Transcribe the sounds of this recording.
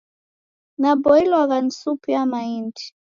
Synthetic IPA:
nabɔilwaɣan̩supiamaindi̥

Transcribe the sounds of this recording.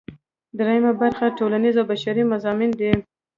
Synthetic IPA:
d̪ɾajimabaɾxaʈolanizawbaʃaɾimʊzɑmɪnd̪i

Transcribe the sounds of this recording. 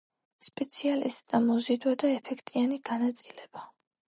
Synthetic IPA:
spʼɛt̪sʰialḭst̪ʼd̪amɔzid̪wad̪aɛpʰɛkʰt̪ʼianiɡ̥anat̪sʼilɛb̥a

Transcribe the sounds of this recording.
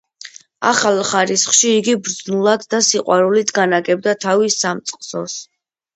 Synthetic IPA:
a̰χalˠχaɾisχʃiːɡibɾd̪znulˠad̪ːasiqʼwaɾulit̪ʰɡanaɡɛb̚d̪at̪ʰavisamt̪sʼqʼsɔs

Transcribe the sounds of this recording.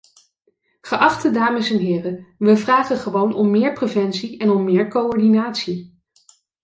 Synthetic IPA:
χəʔɑχtədaːməsɛnɦɪːrəʋəvraːχəχəʋownɔmːɪːɹprevɛnsiɛnɔmːɪːɹkoɔɹdinaːtsi

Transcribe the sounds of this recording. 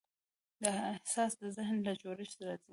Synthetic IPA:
d̪əɪhsɑsd̪əzɪhnlat͡ʃoɾɪʃd̪aɾazi

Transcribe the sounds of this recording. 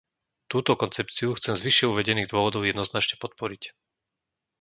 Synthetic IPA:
t̪uːt̪ɔkɔnt͡sɛpt͡siuxt͡sɛmzʋiʃɪɛuʋɛɟɛniːɣd̪ʊɔʋɔd̪ɔʊjɛd̪nɔznat͡ʃɲɛpɔt̪̚pɔɾic

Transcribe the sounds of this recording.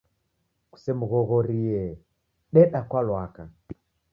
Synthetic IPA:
ku̥sɛmuɣɔɣɔɾiɛ | ɗɛɗakwalwaka

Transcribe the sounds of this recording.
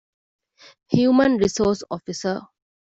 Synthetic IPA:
hjumə̃nɹisɔsɔfisə

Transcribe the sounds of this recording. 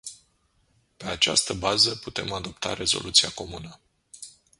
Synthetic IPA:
pe̞at͡ʃa̰st̪əbazəput̪e̞mad̪o̞p̚t̪a̰ɾe̞zo̞̰lʔut̪siako̞munə

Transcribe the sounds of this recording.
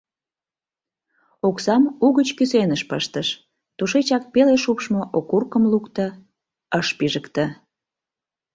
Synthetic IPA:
oksɑmuɣət͡ɕkysenəʃpəʃt̪əʃ | t̪uʃet͡ɕɑk̚peleʃupʃmoʔokurkəmlukt̪ə | əʃpiʒəkt̪ə

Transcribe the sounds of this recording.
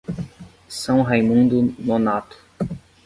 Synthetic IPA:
sɐ̃w̃ɦejmũnd̪ʊnonat̪ʊ̥

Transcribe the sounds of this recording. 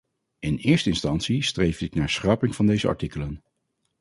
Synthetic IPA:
ɪnɪːɹstəɪnstɑnt̪sistrejfɪknaːɹsχrɑpɪŋv̥ɑndejzəɑ̰ɹtikələn

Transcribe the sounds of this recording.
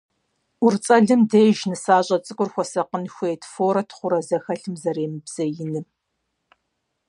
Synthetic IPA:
ʊrt͡sʼɐɮɨmdeːʒnɨsaːɕʼɐt͡sʼɨkʷʼʊrxʷɔsɐqənxʷeːtʰfoːɾɐtʰχʷʊɾɐzɐxɐɬɨmzɐɾeːmɨbz̥ɐjɪnɨ

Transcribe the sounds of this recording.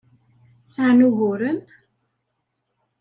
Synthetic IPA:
saʕnuɣʊɾən

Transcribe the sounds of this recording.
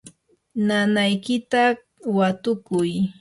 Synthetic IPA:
nanajkɪt̪a | wat̪ʊkʊj

